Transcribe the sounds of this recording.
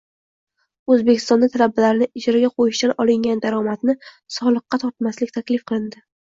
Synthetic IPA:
ɵzbe̞kʲʰɪ̥st̪ɒnd̪at̪ʰalabːalaɾnɪɪd͡ʒɾaɡʲaqʰojɪʃt̪anɒlɪŋɡʲand̪aɾɒmat̪nɪ | sɒlˠɨqːɑt̪ʰɒɾt̪maslɪkʲt̪ʰakʲlɪfqʰɨlˠɪnd̪ɪ

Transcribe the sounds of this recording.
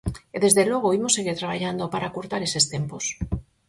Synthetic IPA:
eðe̞zðe̞lwe̞ɣ̞oimosːe̞ɣ̞iɾt̪ɾaβ̞aʝand̪opaɾakoɾt̪aɾe̞se̞st̪e̞mpos

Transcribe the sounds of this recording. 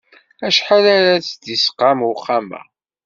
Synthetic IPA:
æʃħalaɾat͡sd̪isə̥qːamʊχːamæ̰

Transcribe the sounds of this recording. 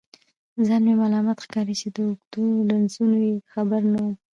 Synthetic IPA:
zɑnmemalɑmɑt̪xkɑɾit͡ʃed̪əʊɡd̪ulansunojexabaɾnawu

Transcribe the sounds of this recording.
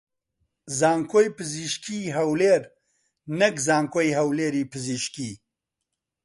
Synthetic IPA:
zaːŋkʰoːjpɨziʃkiːɦɐwleːɾ | nɐkzaːŋkoːjɦɐwleːɾiːpʰɨziʃki

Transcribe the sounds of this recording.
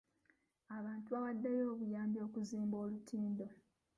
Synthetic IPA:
aβaːntuaβadːajo̞ːβujaːmbjo̞ːkuziːmbo̞ːlutʰiːndo̞

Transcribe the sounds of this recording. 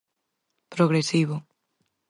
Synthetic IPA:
pɾoɣɾesiβʊ

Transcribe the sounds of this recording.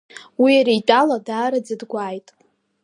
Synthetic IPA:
wiaɾijtʼaladaːɾad͡zɨdɡʷaːjtʼ

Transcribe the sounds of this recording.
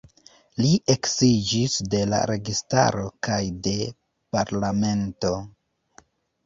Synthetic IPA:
liʔe̞ksid͡ʒisde̞la̰ɾe̞ɡista̰ɾo̞kajde̞ | paɾlame̞nto̞

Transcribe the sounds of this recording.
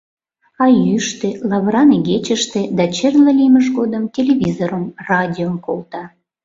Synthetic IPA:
ɑjyʃt̪elɑβrɑneɣet͡ɕəʃt̪ĕd̪ɑt͡ɕerləlʲijməʒɡod̪əmtʲelʲevʲizoɾomrɑdʲiomkolˠt̪ɑ

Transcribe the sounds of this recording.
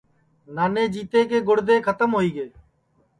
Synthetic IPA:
naːnẽːd͡ʒiːt̪eːkeːɡʊɽd̪eːkʰət̪əmɦoːiːɡeː

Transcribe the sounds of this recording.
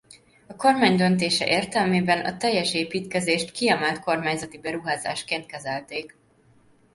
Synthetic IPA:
ɒko̞rmaːɲd̪ønt̪eːʃɛ̰ʔeːrt̪ɛlmeːbɛnɒ̰t̪ɛjːɛʃeːpiːt̪kɛzeːʃt̪kiɛmɛlt̪ko̞rmaːɲzɒt̪ibɛɾuɦaːza̰ːʃkeːnt̪̚kɛzɛlt̪eːk

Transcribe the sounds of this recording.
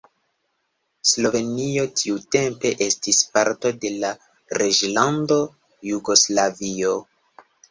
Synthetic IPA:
slo̞ve̞nio̞tʰiute̞mpe̞ʔe̞stispaɾto̞de̞la | ɾʔed͡ʒlando̞ | juɡo̞slavio

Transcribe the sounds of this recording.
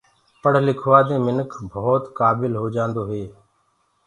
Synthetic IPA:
pəɽ̤lɪkʰʋaːd̪ẽːmɪnəkʰbʱoːt̪kaːbɪlɦoːd͡ʒãːnd̪oːɦeː

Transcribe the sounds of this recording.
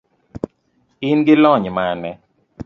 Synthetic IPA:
ɪnɡɪlɔɲmanɛ

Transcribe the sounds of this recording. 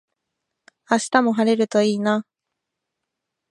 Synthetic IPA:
aɕi̥t̪amo̞ɦaɾe̞ɾɯ̟t̪o̞iːna

